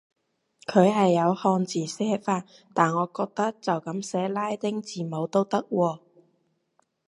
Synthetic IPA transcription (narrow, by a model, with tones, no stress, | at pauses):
kʰɵ˨˧ɥɦɐ˨jːɐ˨˧whɔː˧nt͡siː˨˩sɛː˥faː˧n | t̪aː˨nŋɔː˨˧kɔː˧k̚t̪ɐ˥k̚t͡sɐ˨wkɐ˨˥msɛː˨˥laː˥jt̪ɪ˥ŋt͡siː˨mo˨˧wt̪o˥wt̪ɐ˥k̚wɔː˧